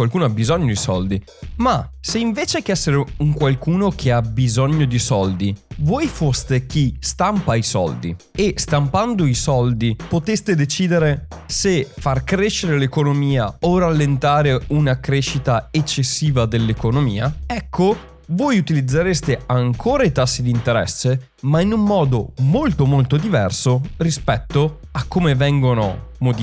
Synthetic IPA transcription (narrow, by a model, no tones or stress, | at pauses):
kwalkuːnoabizɔɲːod̪isɔld̪i | maseiɱveːt͡ʃekeɛsːeɾeuŋkwalkuːnok̟ʰeabizɔɲːod̪isɔld̪ivojfost̪ek̟ist̪ampaisɔ̰ld̪ḭ | est̪ampand̪oisɔld̪ipot̪est̪ed̪et͡ʃiːd̪eɾesefarkɾeʃːeɾelekonomiːaoralːent̪aːɾeunakɾeʃːit̪aet͡ʃːesːiːvad̪elːekonomḭːaɛkʰːo | voːjut̪ilid̪zːaɾest̪eaŋkʰoːɾait̪asːid̪int̪eɾɛ̰sːe | mainumːɔːd̪omolt̪omolt̪od̪ivɛrsorispɛt̪ːo | akːomevɛŋɡono̰mod̪